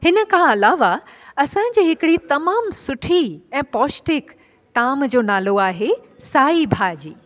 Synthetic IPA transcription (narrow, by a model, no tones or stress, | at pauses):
hɪnə̆kʰãɐlaːʋaɐsãɲ̆d͡ʑiːɦɪkɪɽit̪ɐmaːmsʊʈʰiɛ̃ːpɔːsʈɪk | t̪aːmd͡ʑoːnaːloaːɦe | saːibʱaːd͡ʑiː